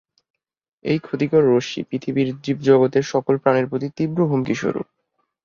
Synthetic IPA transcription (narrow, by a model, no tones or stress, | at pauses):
ḛjkʰot̪ikoɾːoʃḭpɾit̪ʰibiɾd͡ʑibd͡ʑɔɡot̪eɾʃɔkolpɾaneɾpɾot̪it̪ibɾoɦumkiʃo̰ɾṵ